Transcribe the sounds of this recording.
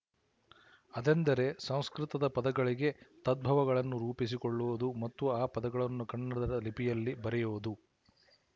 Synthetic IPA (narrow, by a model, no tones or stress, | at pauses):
ɐd̪end̪ɐɾe̞sɐ̃w̃skɾit̪ɐd̪ɐpɐd̪ɐɡɐɭiɡe̞t̪ɐd̪̚bʱɐʋɐɡɐɭɐnːuɾuːpis̬ikoɭːuʋud̪umɐt̪ːuaːpɐd̪ɐɡɐɭɐnːukɐɳːɐd̪ɐɾɐlipijɐlːibɐɾɛjuʋud̪u